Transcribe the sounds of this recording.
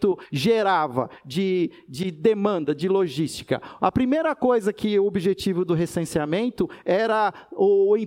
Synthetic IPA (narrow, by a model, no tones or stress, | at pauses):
t̪ʊʒeɾavɐ̰d͡ʒɪ | d͡ʒɪd̪emɐ̃nd̪ɐd͡ʒɪloʒist͡ʃi̥kɐ̰ɐ̰pɾimejɾɐkojzɐkɪʊobiʒet͡ʃivʊd̪ʊɦesẽsiamẽnt̪ʊɛɾɐʊĩ